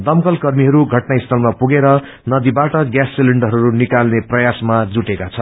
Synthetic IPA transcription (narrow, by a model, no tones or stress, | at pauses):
d̪ʌmkʌlkʌrmiɦʌɾuɡʱʌʈnaist̪ʰʌlmapuɡeɾʌ | nʌd̪ibaʈʌɡjasːiliɳɖʌɦʌɾunikalneprʌjasmad͡zuʈekat͡sʰʌ